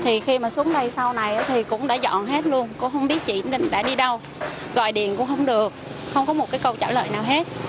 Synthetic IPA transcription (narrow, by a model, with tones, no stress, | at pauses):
t̪ʰi˨˩xi˧maː˨˩su˨˦əŋɗə˧jsa˧wna˨˩jʔaː˨˦t̪ʰi˨˩kʊ̰˧˥ŋ͡mɗa̰ː˧˥zɔ̰˧˨nɦe˦˥t̚lu˧ənkʊ̰˧˥ŋ͡mxə˧wŋ͡mɓi˦˥t̚t͡ɕḭ˧˨nne˧nɗa̰ː˧˥ɗi˧ɗə˧w | ɣɔ̰˧˨jɗḭ˨˩ənkʊ̰˧˥ŋ͡mxə˧wŋ͡mɗɨ˨˩ək̚xə˧wŋ͡mkɔ˨˦mo˨˩kaː˨˦jkə˧wt͡ɕaː˧˩lə̰ː˧˨jnaː˨˩wɦe˦˥t̚